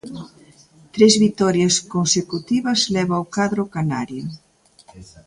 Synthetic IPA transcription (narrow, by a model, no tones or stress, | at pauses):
t̪ɾezβit̪ɔɾjɐskonsekut̪iβɐzlɛβaokaðɾʊkanaɾjo